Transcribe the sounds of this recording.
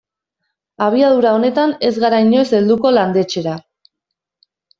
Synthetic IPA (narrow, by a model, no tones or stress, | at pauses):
aβ̞iað̞uɾao̞ne̞t̪ane̞zɣaɾaiɲo̞jse̞ld̪uko̞land̪e̞t͡ʃe̞ɾa